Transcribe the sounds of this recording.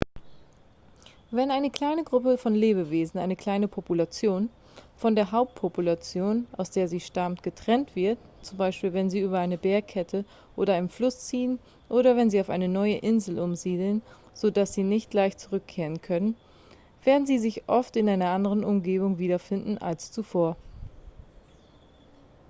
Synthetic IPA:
vɛnaɪnəkl̥aɪnəɡʁʊpəfɔnleːbəveːzn̩ʔa̰ɪnəkl̥aɪnəpʰopulat͡sjoːn | fɔndeːɐɦaʊp̚t̚pʰopulat͡sjoːnʔaʊsd̥eːɐziːʃtamtɡ̥ətʁ̥ɛntv̥ɪɐtt͡sʊmbaɪʃpiːlvɛnziːʔyːbɐʔaɪnəbeːɐkʰɛtʰə | ʔo̰ːɾɐʔaɪnənflʊst͡siːən | ʔoːɾɐvɛnziːaʊfʔa̰ɪnənɔʏəʔɪnzl̩ʔʊmziːdl̩n | z̥odasz̥iːnɪçt̚ɡ̥laɪçt͡suʁʏkʰːeːʁ̞ənkʰœnən | v̥eːɐdn̩ziːzɪçʔɔftɪnʔaɪnɐʔandəʁ̞ənʊmɡeːbʊŋviːdɐfɪndn̩ʔa̰lst͡sufoːɐ

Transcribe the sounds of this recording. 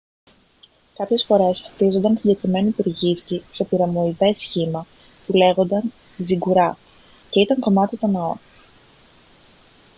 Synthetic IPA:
kɐpçe̞sfo̞ɾe̞st̪izo̞nd̪ɐnsiɲɟe̞kɾime̞niipuɾʝiscise̞piɾɐmo̞iðe̞sçimɐ | pule̞ɣo̞nd̪ɐn | ziɡuɾɐ | ce̞it̪ɐŋko̞mɐt̪it̪o̞nɐo̞

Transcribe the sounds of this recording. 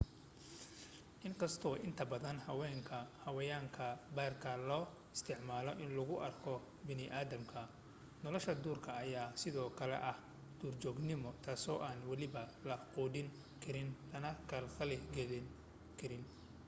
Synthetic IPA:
ʔɪŋkʰɐst̪ʰɔʔɪnt̪ʰɐbɐðɐnhɐwɛːŋkʰɐhɐwɐjaːŋkʰɐbaːrkʰɐlɔː | ɪst̪ʰɪʕmaːlɔʔɪnlɐɣʊʔɐrkʰɔ | bɪnɪʔaːðɐmkʰɐ | nɔlɔʃɐd̪uːrkʰɐːjaːsɪðɔːkʰɐlɛ̰ʔɐh | d̪̥uːrt͡ʃɔːɡnɪmɔt̪ʰaːsɔːʔaːnwɑlɪβɐlɐquːðɪn | kʰɪɾɪnt̪ʰɐnɐkʰɐlxɐlɪɡɛln | kʰɪɾɪn

